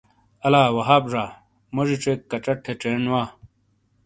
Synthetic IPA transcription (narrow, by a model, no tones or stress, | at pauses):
ɐlaːwɐɦaːbʐaː | mɐʐiʈ͡ʂekːɐʈ͡ʂɐʈʰːeʈ͡ʂeːnwaː